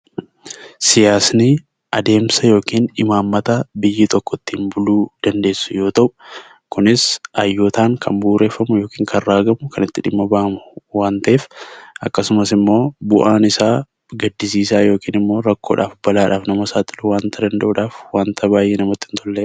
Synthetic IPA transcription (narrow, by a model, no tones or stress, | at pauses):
sɪjaːsnɪ | ʔɐd̪e̞ːmsɐjo̞ːkiːnɪmaːmːɐt̪ɐbɪjːɪt̪ɔkːɔt̪ːimbʊluːd̪̥ɐnd̪e̞ːsːʊ̥jo̞ːt̪ɐʔʊ̥ | kʊnɪsʔɐjːot̪aːŋkʰɐmbuːɾe̞ːfːɐmʊjo̞ːkiːŋkʰɐrːaːɡɐmʊkʰɐnɪt̪ːɪᶑɪmːɐbaʔɐmʊwaːnt̪ɐʔeːfʔɐkːɐsʊmɐsɪmːo̞ːbʊʔaːnɪsaː | ɡɐd̪ːɪsiːsaːjo̞ːkiːnɪmːo̞ːɾɐkːo̞̰ːᶑa̰ːfbɐlaːᶑaːfnɐmɐsaːt̪ɪlʊwaːnt̪ʰɐdɐnd̪ɐʔuᶑaːfwaːnt̪ʰɐbaːjeːnɐmɐt̪ːɪnt̪ʰɔlːe